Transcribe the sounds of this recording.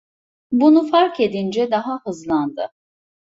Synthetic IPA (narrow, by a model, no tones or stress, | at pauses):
bunufaɾke̞d̪ind͡ʒɛd̪aɦahɯzlˠand̪ɯ̰